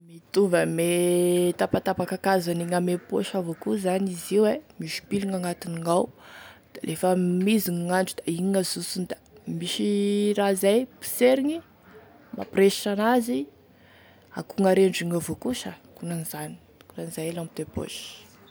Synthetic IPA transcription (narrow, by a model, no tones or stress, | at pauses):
mit̪uvəmet̪apat̪apakakazaniŋamepoʃavokuzaniziwemiʃi̥piluŋaŋat̪iniŋawd̪̥alʔefəmiziŋaŋaɳɖ͡ʐud̪̥aiŋəzusund̪ḁ | miʃirazajpi̥seɾiŋi | ma̰preʃi̥ʈ͡ʂanazi | akuŋaɾeɳɖ͡ʐiŋovokuʃəkunanizani̥ | kunanizajlamit̪epo̰ʃ